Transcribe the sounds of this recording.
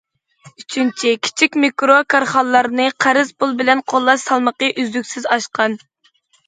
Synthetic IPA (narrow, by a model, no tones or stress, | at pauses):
yt͡ʃʰynt͡ʃʰikʲʰi̥t͡ʃʰikʲmikɾokʰɑɾχɑlˠːɑɾnɨqʰæɾɪzpʰʊlˠbɪlɛnqʰolˠːɑʃsɑlˠməqəʔyzlykʲsɪzɑʃqɑn